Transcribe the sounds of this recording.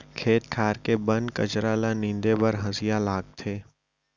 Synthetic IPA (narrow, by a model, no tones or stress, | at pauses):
kʰeːt̪̚kʰaːɾkebɐ̃nkɐt͡ʃɾalanĩːnd̪ebɐɾɦɐzijalaːɡ̚t̪ʰeː